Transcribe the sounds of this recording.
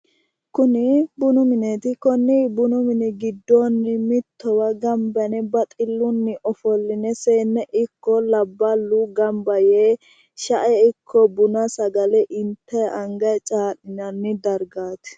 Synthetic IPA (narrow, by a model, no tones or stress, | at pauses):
kʊnɪbʊnʊmɪnet̪ɪkɔnːɪbʊnʊmɪnɪɡɪd̪ːɔnːɪmɪt̪ʰːɔwɐɡɐmbɐnɛbɐt̪ʼɪlːʊnːɪʔɔfɔlːɪnɛseːnːɛʔɪkːɔlɐbːɐlːʊɡɐmbɐjeː | ʃɐʔɛɪkʰːɔbʊnɐsɐɡɐlɛʔɪnt̪ʰːɛɐŋɡɐjt͡ʃʼaːɗɪnɐnːɪd̪ɐɾɡaːt̪ɪ̥